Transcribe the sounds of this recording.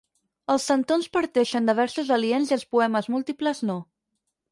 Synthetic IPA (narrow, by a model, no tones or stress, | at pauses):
əlˠsːənt̪onspəɾt̪ɛʃənd̪əβ̞ɛɾsuzəlienziəlˠspuɛməzmulˠt̪ipləzno